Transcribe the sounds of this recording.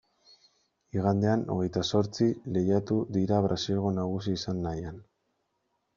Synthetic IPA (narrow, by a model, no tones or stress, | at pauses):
iɣand̪e̞ano̞̰ɣ̞e̞jt̪aso̞ɾt͡sile̞jat̪uðiɾaβ̞ɾʔasilɣo̞naɣ̞us̬iːsanːajan